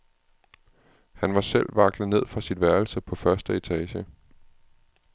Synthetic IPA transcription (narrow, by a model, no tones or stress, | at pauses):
hænʋɑ̈sel̰ʋɑ̈ɡ̥lð̩ˠne̝ð̰ˠfʁɑ̈sinʋæɐl̩səpʰɒ̽fɶɐsd̥əe̝t͡sʰɛːɕə